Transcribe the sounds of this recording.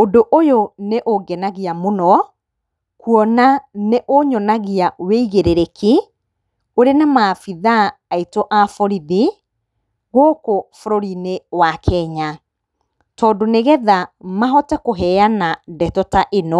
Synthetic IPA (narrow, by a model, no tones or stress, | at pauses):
odoʔojoneʔoɡɛnaɣiamonɔ | kuɔnaneʔoɲɔnaɣiaweiɣeɾeɾeki | oɾenamafiðaːitoʔafɔɾiði | ɣoːkofoɾoɾinewakʰɛɲa | tɔːdoneɣɛðamaɦɔtɛkoɦɛjanadɛtɔtaʔenɔ